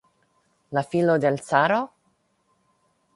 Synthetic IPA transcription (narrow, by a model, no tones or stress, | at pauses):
lafilod̪elsaːɾo